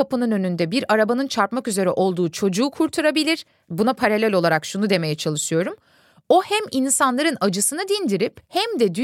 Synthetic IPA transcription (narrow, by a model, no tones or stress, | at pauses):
apɯnɯnø̞nynd̪ɛbiɾaɾabanɯnt͡ʃʰaɾpmakyze̞ɾɛ̰ʔo̞lˠd̪uːt͡ʃʰo̞d͡ʒuːkʰuɾt̪ʰuɾabilʲiɾ̥ | bunapʰaɾalʲælʲo̞lˠaɾakʃunud̪e̞me̞jɛt͡ʃʰalˠɯʃɯjo̞ɾum | o̞hæminsanlˠaɾɯnad͡ʒɯsɯnɯd̪ind̪iɾiphɛmd̪ɛd̪y